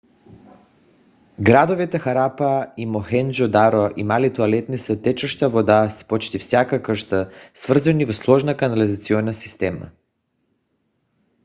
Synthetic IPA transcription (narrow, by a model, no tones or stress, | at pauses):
ɡɾad̪ovit̪ɛxaɾapaimoxɛnd͡ʒɔd̪aɾoʔimalit̪ualɛt̪nisət̪ɛt͡ʃəʃt̪avɔd̪aspot͡ʃt̪ifsʲjakakərʃt̪asvr̩zanivɔslˠɔʒnakanalizat̪siɔnasi̥st̪ɛma̰